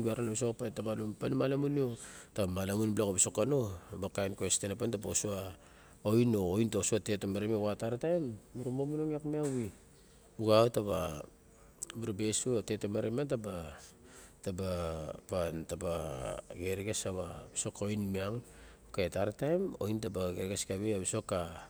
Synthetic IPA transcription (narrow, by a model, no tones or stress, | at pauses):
biaɾanabisokpatabalumpanmalamuniotamalamunblakabisokano̞bakajnkuestenapantabaosua | ojnoojntasuate̞temaɾemeɡataɾatajmːuɾumomunoŋiakmiawi | uɡaotaβa̰ | buɾabesuate̞temaɾemantaba | tabapantabaɡeɾeɡesaβabiso̞ko̞jnmiaŋ | kaetaɾatajmo̞̰jntabaɡeɾɡeskaβeabiso̞kːa